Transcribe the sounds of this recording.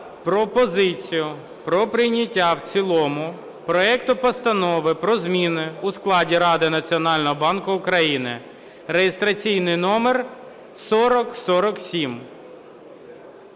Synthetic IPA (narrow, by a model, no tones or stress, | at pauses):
pɾɔpɔzɪt͡sʲijʊ | pɾɔpɾɪjnʲɐtʲːawt͡sʲilˠɔmʊ | pɾɔɛkt̪ʊpɔst̪ɐnɔʋɪpɾɔzmʲinɪusklˠɑdʲiɾɑd̪ɪnɐt͡sʲiɔnɑlʲnɔɦɔbɑnkʊʊkɾɐjinɪ | ɾejest̪ɾɐt͡sʲijnɪjnɔmer | sɔɾɔksɔɾɔksʲim